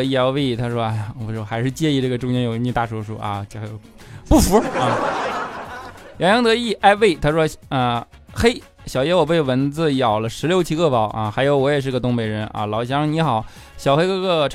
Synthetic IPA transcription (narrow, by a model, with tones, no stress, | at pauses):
i˥˩a˧˥we˥˩ɪi˧˩t̪ʰa˥ʂwɔ˥a˥˩ɪ˨˩wɔ˧˩˧wɔ˥˧xa˧˥ɪʂɻ̩˥˧t͡ɕjɛ˥˧i˥˧ʈ͡ʂɤ˥˩ɡə˩ʈ͡ʂʊ˥˧ŋt͡ɕjɛ˧˥njo˨˩˥ni˥˧t̪a˥˩ʈ͡ʂʰɔ˧˥ʂu˥˩ʔa̰˧t͡ɕo˥˧˩xjo˨˧˩ | pu˥˩fu˧˥a˥˩ | jɑ˧˥ŋjɑ˧˥ŋd̪ɤ˧˥i˥˩ʔa˥˩ɪʋe˥˩ɪt̪ʰa˥ʂwɔ˥ə˧ | xe˥ɪ | ɕjɑ˨˩ʊjɛ˧˥wɔ˨˩pe˥˩ɪwə˧˥nd͡zɹ̩˥˧jɑ˨˩ʊlə˦ʂɻ̩˧˥ljo˧˥ʊt͡ɕʰi˧˥kɤ˥˩pɑ˨˩˦ʊʔa˧xa˧˥ɪjo˧˥ʊwɔ˧˥jɛ˨˩ʂ̬ɻ̩˧˥ɡə˧t̪ʊ˥ŋpe˨˩ɪɻə˧˥nʔa̰˧lɑ˨˥ʊɕ̬jɑ˧˥ŋni˧˥xɑ˨˩˦ | ɕjɑ˨˩ʊxe˥ɪkkɤ˥˧˩ʈ͡ʂʰ